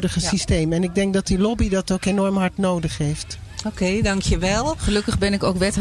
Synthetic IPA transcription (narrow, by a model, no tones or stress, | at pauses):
dəχəsistejmɛnɪɡ̚dɛŋk̚dɑt̚dilɔbidɑtokenɔɹmɦɑɹtnowdəχɦejftokejdɑŋkjəʋɛlˠχəlɵkəχbɛnɪkowkʋɛt